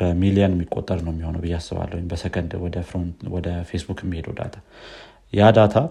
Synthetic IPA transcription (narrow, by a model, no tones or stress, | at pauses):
əmilianjɛmːikʼo̞t̪ʼːəɾnəwɛmːihonəwbɨjːasːɨβa̰lːəwjmbəsəkʰənd̪wɔd̪əfɾnwɔd̪əfesbukjɛmːihe̞d̪wd̪a̰t̪ʰa | jad̪at̪ʰa